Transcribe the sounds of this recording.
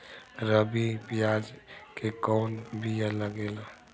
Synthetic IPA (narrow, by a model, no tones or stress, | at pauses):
ɾəbipijaːd͡ʒkekɔːnbijaləɡeːla